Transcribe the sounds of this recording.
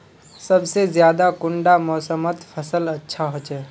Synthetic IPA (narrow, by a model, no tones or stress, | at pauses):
sɐbsezjaːd̪akʊɳɖamɔːsəmət̪pʰɐsəlɐtːʃʰaɦot͡ʃɛː